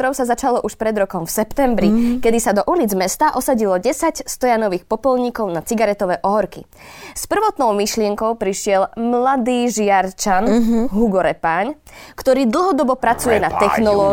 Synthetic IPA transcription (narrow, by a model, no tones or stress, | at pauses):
ɾɔʊsazat͡ʃalɔʔuʃpɾɛd̪ɾɔkɔmfsɛpt̪ɛmbɾikɛd̪isad̪ɔʔulid͡zmɛst̪aʔɔsaɟilɔɟɛsacst̪ɔjanɔʋiːxpɔpɔlɲikɔʊnat͡siɡaɾɛt̪ɔʋɛːʔɔɦɔɾkḭ | spr̩ʋɔt̪nɔʊmiʃlɪɛŋkɔʊpɾiʃɪɛlmlad̪iːʒɪaɾt͡ʃanɦuɡɔɾɛpaːɲ | kt̪ɔɾiːd̪l̩ˠɦɔd̪ɔbɔpɾat͡sujɛnat̪ɛxnɔlɔː